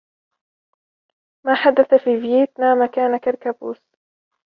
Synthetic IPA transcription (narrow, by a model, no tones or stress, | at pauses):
maːħad̪aθafiːvjeːt̪naːmakaːnakaɾˤkabuːs